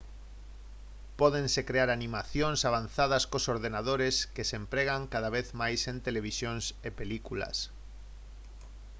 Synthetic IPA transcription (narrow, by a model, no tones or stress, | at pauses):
pɔðensekɾeaɾanĩmaθjoŋsaβ̞anθað̞ɐskosoɾðenað̞oɾeskesempɾeɣaŋkaðaβ̞eθmajsent̪eleβ̞isjonsepelikulɐ̰s